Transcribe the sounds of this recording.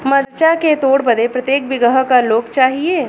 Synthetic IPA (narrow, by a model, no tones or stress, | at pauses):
mɐɾt͡ʃaket̪oːɽbɐd̪epɾɐt̪jeːk̚bɪɡəɦkaloːɡt͡ʃaːɦieː